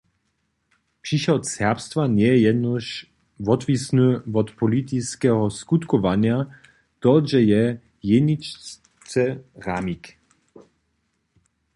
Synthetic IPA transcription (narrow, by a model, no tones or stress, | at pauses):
pʂiʃɔt̪sɛʁpst̪vanjɛjɛjɛd̪nɔʃ | vɔt̪visnuvɔt̪pɔlit̪iskɛɦɔskut̪kɔvanja | t̪ɔʒɛjɛ | jɛnit͡ʃ | t͡sɛʁamik